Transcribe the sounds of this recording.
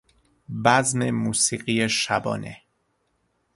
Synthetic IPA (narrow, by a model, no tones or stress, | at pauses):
bæznemuːsiːɢiːjeʃæbɒ̰ːnḛ